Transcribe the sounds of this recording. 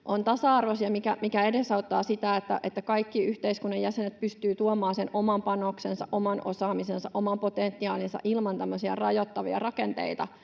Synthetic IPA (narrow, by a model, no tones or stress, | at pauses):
ʔont̪ɑsɑɑrʋosiɑmikæmikæedesɑut̪ːɑːsit̪æet̪ːæ̰ʔet̪ːækɑikːiyht̪eiskunːɑjjæsenet̪̚pyst̪yːt̪uomɑːsenʔomɑmpɑnoksensɑʔo̞mɑnʔosɑːmisensɑʔo̞mɑmpot̪ent̪ːiɑːlinsɑ̰ʔilmɑnt̪æmːøsiɑ̰rɑjot̪ːɑʋiɑ̰rɑkent̪ḛit̪ɑ